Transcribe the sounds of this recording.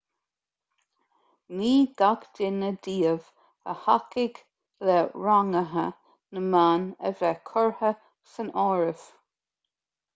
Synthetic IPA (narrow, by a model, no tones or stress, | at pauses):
niːɡakdɪnədiːəv | ə̰hakɪɡ | lɛɹaŋəɦə̰ | nəmaːnə̰vɛkʰɔɹhə | sənɔːɹɪv̥